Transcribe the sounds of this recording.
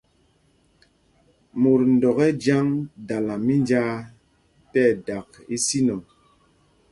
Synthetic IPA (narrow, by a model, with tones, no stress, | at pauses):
mu˨ɾn̩˨dɔ˨ɣɛ˦d͡ʒa˦ŋda˨la˨mi˦nd͡ʒa˦ | tɛ˦˨da˨k̚ | i˦si˦nɔ˨